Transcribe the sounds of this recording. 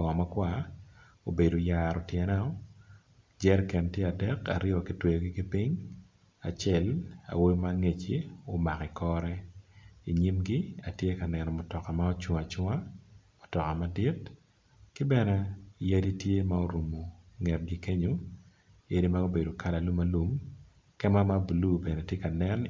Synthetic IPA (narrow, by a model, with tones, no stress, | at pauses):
ɔ˨ŋɔ˨ma˦kwa˦ | o˨be˨do˨jaɾɔ˨tjɛ˨nɛ˦ɔ˦ | d͡ʒɛ˦rkɛ˨ntje˦a˨dɛ˦ka̰˨ɾɪɔ˨ki˨twe˨jo˨ɡi˦kɪ˦pi˦ɲ | a˨t͡ʃɛ˦la̰˨wo˦jmaŋe˨t͡ʃi˨o˦ma˨ki˨kʰɔ˦ɾɛ˦i˨ɲi˦mɡi˦a˨tje˦ka˨nɛ˨nɔ˨mʊ˨tɔ˨ka˨ma˦o˦t͡ʃwŋa˨t͡ʃwŋa˦mʊ˨tɔ˨ka˨ma˦dɪ˦t | kɪ˦bɛ˦nɛ˦ja˦di˦tje˦mao˦ɾu˨mo˨ŋɛ˨t̚ɡi˦ke˦ɲo˦ | e˦ɾi˦ma˦o˦be˨do˨ka˦la˨lu˦ma˦lu˦m | kɛ˦ma˦ma˦bu˨lu˦bɛ˨nɛ˨tje˦ka˨nɛ˦n